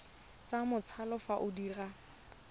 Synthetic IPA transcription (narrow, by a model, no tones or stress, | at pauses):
t͡samʊt͡sʰalɔfaʔʊdiːra